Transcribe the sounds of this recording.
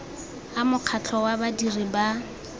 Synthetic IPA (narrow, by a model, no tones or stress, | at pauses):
amʊq͡χʰat͡ɬʰɔwabadiriba